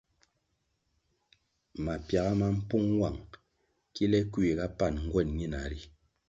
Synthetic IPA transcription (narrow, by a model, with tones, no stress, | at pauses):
ma˨pja˨ɣa˦ma˦m̩˦pu˦ŋwa˨ŋ | ki˦lɛ˦kwi˨ka˦pa˦˨nŋ̩˦ɡwɛ˦˨nɲi˦na˨˦ɾi˦